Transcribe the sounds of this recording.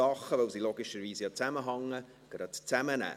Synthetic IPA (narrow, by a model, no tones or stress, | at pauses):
ɑχəvowsiloɡɪʃəɾviːsjɑt͡sæməɦɑŋːə | ɡ̥ɾɑtt͡sæmənæ̰ː